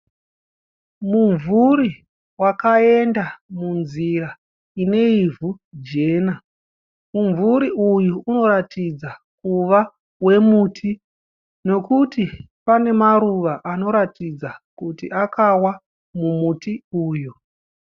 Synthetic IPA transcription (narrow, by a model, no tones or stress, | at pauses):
muɱvuɾi | wakae̞ndamunzira | ine̞ivud͡ʒe̞ːna | muɱvuɾiʔujuuno̞ɾatid͡za | kuʋa | we̞mutʰi | no̞kuti | pane̞maɾuʋaʔano̞ɾatid͡zakutiʔakʰawa | mumutiuːju